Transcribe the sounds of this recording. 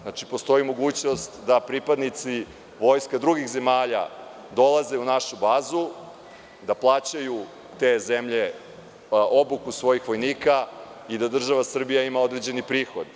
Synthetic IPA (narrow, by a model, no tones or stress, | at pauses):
nat͡ʃipost̪o̞imo̞ɡuːt͡ɕno̞st̪d̪apɾipad̪nit̪si | ʋo̞jskad̪ɾuɡixze̞maːʎa̰ | d̪o̞lˠaze̞unaʃubaːzu | d̪aplˠaːt͡ɕaju | t̪e̞ze̞mʎe̞ | o̞bukusʋo̞jixʋo̞jniːkaid̪ad̪r̩ʒaʋasr̩bijaimao̞d̪ɾed͡ʑe̞nipɾiːxo̞d̪